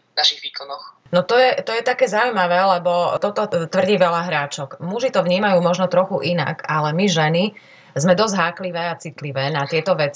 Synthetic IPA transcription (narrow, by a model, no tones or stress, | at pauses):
naʃiɣʋiːkɔnɔx | nɔt̪ɔjɛt̪ɔjɛt̪akɛːzaujmaʋɛːlɛbɔt̪ɔt̪ɔt̪ʋr̩ɟiːʋɛlaɦɾaːt͡ʃɔkmuʒit̪ɔʋɲiːmajuːmɔʒnɔt̪ɾɔxuʔina̰kalɛmiʒɛni | zmɛd̪ɔzɟɦaːkliʋɛːat͡sit̪liʋɛːnat̪ɪɛt̪ɔʋɛt͡si